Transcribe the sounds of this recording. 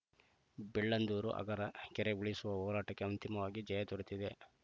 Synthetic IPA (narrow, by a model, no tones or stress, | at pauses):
bɛɭːɐnd̪uːɾṵʔɐ̰ɡɐɾɐkɛɾeuɭisuʋɐɦɔːɾaːʈɐkːe̞ɐnt̪imɐʋaːɡid͡ʒɐjɐt̪ɔɾut̪id̪e